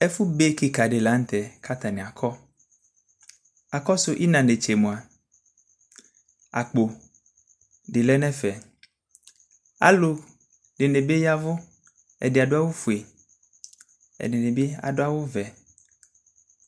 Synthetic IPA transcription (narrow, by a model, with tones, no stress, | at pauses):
ɛ˦fu˦be˦ki˦ka˨ɖɪ˨la˦n̩˦t̪ɛ˨ka˦t̪a˨nĩ˨a˨kʰɔ˦ | a˨kɔ˦sʊ˦ʔi˦nã˨ne˨t͡ʃe˨mũ˨a˨ | a˨k͡po˨ | ɖɪ˨lɛ˦nɛ̃˦fɛ˨ | a̰˨lo˨ | ɖɪ˨ne˨be˦ja˦vʊ˦ | ɛ̰˨dɪ˨a˨ɖʊ˦a˦wo˦fu˨e˨ | ɛ̰˨nɪ˨ne˨be˦a̰˨dʊ˦a˦wo˦vɛ˨